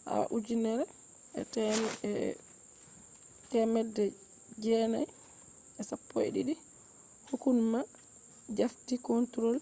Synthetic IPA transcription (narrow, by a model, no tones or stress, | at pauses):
ʔa̰a̰ʔud͡ʒinɛɾɛ | ɛ̰tɛ | tɛmɛdːɛ | d͡ʒɛna̰j | ɛsapːo̰jɗḭɗi | hukunma | d͡ʒaftikɔntɾɔl